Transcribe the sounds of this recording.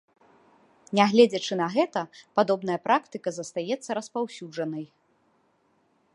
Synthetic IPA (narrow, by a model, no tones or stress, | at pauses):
nʲɛɣlʲɛd͡zʲɐt͡ʂɨnɐɣɛt̪ɐpad̪ɔbnɐjɐpɾakt̪ɨkɐzɐst̪ajɛt̪sːɐɾɐspawsʲud͡ʐɐnɐj